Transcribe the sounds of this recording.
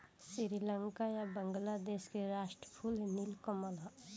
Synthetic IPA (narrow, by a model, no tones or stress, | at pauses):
siɾiləŋkajabəŋɡlad̪eskeɾasʈɾəpʰulɦnilkɔməla